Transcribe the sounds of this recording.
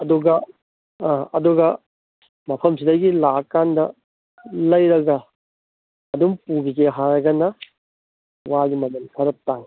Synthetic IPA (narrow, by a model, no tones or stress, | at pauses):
ɐduɡɐ̃ | ɐ̰duɡɐ | mɐpʰɐmsidɐɡilakːandɐ | lɐjɾɐɡɐ | duŋpuɡikeɦaɾɐɡɐnɐ | waɡimɐmɐnpʰɐɾɐp̚taŋ